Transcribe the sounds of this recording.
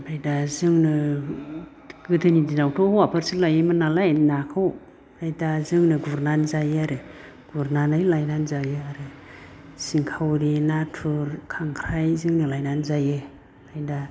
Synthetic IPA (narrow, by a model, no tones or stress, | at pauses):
bajdazɯŋnɯ | ɡ̥ɯtʰɯnidinawtʰɔhwapʰɯɾsɯlajɯmɯnalajnakʰaw | lajdazɯŋnɯɡuɾnanzajɯaɾɯ | ɡ̥uɾnanajlajnanzajɯaɾɯ | siŋkʰawɾinatʰuɾkʰaŋkʰɾajzɯŋnɯlajnanzajɯ | lajda